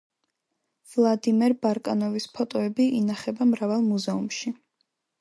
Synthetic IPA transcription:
vlˠad̪imɛɾbaɾkʼanɔvispʰɔt̪ʼɔɛbiʔinaχɛbamɾavalˠmuzɛumʃi

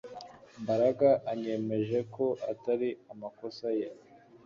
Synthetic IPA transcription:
mbaɾaɡaʔaɲe̞me̞ʒe̞ko̞ʔataɾiamako̞saje

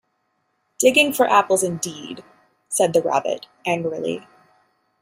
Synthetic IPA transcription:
d̥ɪɡɪ̃ŋfə˞ʔæpl̩ˠzɨ̃ndid̥ | sɛd̪̚ðɨɹæ̰bɨ̰ɾ | æ̃ŋɡɹɨlˠḭ

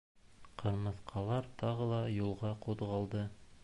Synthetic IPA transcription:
qʰɤ̆ɾmɤ̆θqɑlˠɑɾt̪ɑʁɤlˠɑjulˠʁɑquðʁɑlˠd̪ɤ

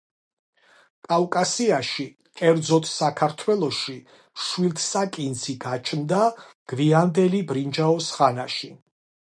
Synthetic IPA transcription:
kʼavkʼasiaʃi | kʼɛɾd̪zɔt̪ʰsakʰaɾt̪ʰwɛlˠɔʃi | ʃwilt̪ʰsakʼind̪ziɡat͡ʃʰnd̪aɡ̥viand̪ɛlibɾind͡ʒaɔsχanaʃi

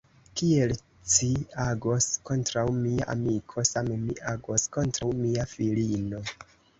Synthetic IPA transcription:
kie̞l | t͡ʃiaɡo̞sko̞ntɾawmiaʔa̰mikʰo̞samemiʔaɡo̞sko̞ntɾawmiafilino̞

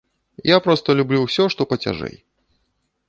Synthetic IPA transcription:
japɾɔst̪ɐlʲublʲuwsʲɔʂt̪ɔpɐt͡sʲa̰ʐɛ̰j

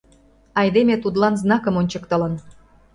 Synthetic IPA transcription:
ɑjd̪emet̪ud̪lɑnznɑkə̆monʲt͡ɕəkt̪ə̆lə̆n

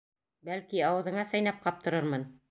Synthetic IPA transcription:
bælkiɑwɤ̆ðɤ̆ɴɑsɑjnɑp̚qɑp̚t̪ɤ̆ɾɤɾmɤn

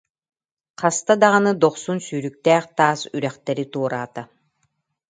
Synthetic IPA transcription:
qast̪ad̪aʁanɯd̪ɔχsunsyːɾyk̚t̪ɛːχt̪aːsyɾɛχt̪ɛɾit̪uɔɾaːt̪a

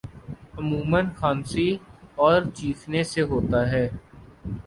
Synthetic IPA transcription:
ʊmũːmənxaːnsiɔːɾt͡ʃiːkʰneseɦoːt̪aɦɛː

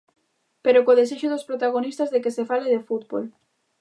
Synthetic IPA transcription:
peɾokoðeseʃoðospɾot̪aɣ̞onist̪azðekesefaleðefut̪bo̰l

